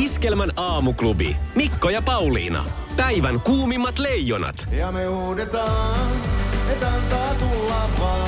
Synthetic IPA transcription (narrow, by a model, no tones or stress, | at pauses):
iskelmænɑːmuklubḭmikːojɑpɑwlḭːnɑ̰ | pæiʋæŋkuːmimːɑt̪lejːonɑ̰t̪jɑmeuːdet̪ɑː | et̪ɑnt̪ɑːt̪ulːɑːʋʋɑː